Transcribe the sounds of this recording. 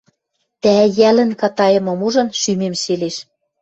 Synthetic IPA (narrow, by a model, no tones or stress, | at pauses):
t̪æjælə̆nkɑt̪ɑjɤ̆mɤ̆muʒɤ̆nʃymemʃeleʃ